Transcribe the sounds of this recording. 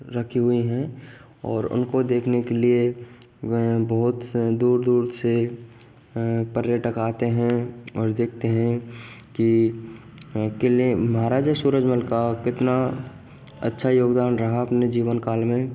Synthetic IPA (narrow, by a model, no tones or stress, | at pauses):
ɾɐkʰiɦʊiɦɛ̃ | ɔːɾʊ̰nkod̪eːkʰnekelie | bɐɦʊt̪d̪uːɾd̪uːɾse | pəɾjeʈɐkaːt̪eɦɛ̃ɔːɾd̪eːk̚ʰt̪eɦɛ̃ | ki | keliemɐɦaːɾaːd͡ʒasuːɾəd͡ʒməlkakɪt̪na | ɐ̰tːʃʰajoːɡd̪aːnɾɐɦaɐpned͡ʒiːʋənkaːlmẽ